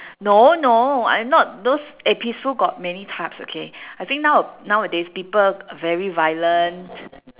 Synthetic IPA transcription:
nonoã̰ɪmnɔt̚dosepistuɡɔt̚mɛnitʰapso̰kʰeajt̪ĩŋk̚naʊənaʊədespipələvɛɹivajlə̃nt

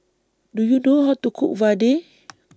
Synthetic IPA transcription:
dujudoɦɔt̪ukʰṵʔvade

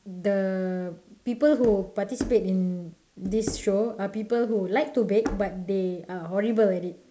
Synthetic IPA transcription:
də | pipəlɦupatisi̥petĩn | disʃoapipəlhulaɪk̚tubɛk̚bat̚deaɦɔɹibəlɛtit̚

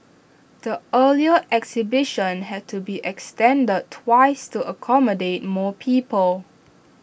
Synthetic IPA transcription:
d̥əəliəʔɛksibɪʃə̃nɦɛd̚tʰubiʔɛkstɛ̃ndəd̚tʰːwaɪstuʔəkʰɔmədet̚mɔːpʰiːpəl

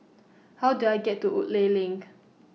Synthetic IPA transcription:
hawduajɡɛtːuʔṵʔlelĩŋk

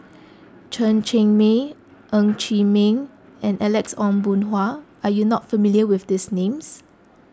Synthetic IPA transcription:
t͡ʃʰə̃nt͡ʃẽŋme | ʔə̃ŋt͡ʃimẽŋ | ɛ̃nʔɛlɛksɔ̃nbũnɦwaajunɔtfəmiliəwɪfdisnẽms

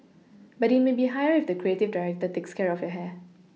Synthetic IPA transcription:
bɐɾɪtmeːbiːɦajəɾɪfd̪əkɾieːtɪʋdaɾɛk̚təteːkskɛɾɔfjəɦɛ

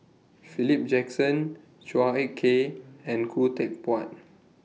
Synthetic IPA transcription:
filip̚d͡ʒɛksə̃n | t͡ʃuaɛkʰːeɛ̃nkʰutɛk̚pɔt̚

